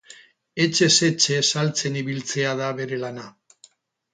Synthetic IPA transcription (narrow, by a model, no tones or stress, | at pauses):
et͡ʃe̞se̞t͡ʃesalt͡se̞niβilt͡se̞aðaβe̞ɾe̞lana